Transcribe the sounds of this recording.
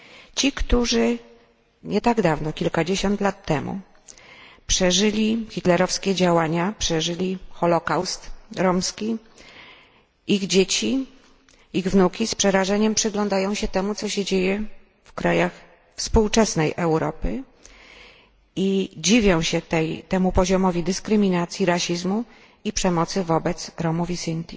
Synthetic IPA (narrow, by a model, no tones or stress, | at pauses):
t͡ɕikt̪uʐɘ | ɲɛt̪aɡd̪avnɔkʲilkad͡ʑeɕɔnt̪lat̪ːɛmṵ | pʂɛʐɘlʲiçʲit̪lɛɾɔfskʲɛd͡ʑawaɲapʂɛʐɘlʲixɔlɔkawst̪ɾɔmskʲi | iɣd͡ʑet͡ɕi | iɣvnukʲispʂɛɾaʐɛɲɛmpʂɘɡlɔnd̪ajɔ̃w̃ɕɛt̪ɛmut̪sɔɕɛd͡ʑejɛ | fkɾajax | fspuwt͡ʂɛsnɛjʔɛwɾɔpɘ | id͡ʑivʲjɔ̃w̃ɕɛt̪ɛjt̪ɛmupɔʑɔmɔvʲid̪ɘskɾɘmʲinat̪sʲjiɾaɕizmu | ipʂɛmɔt̪sɘvɔbɛt̪sɾɔmuvʲisint̪ʲi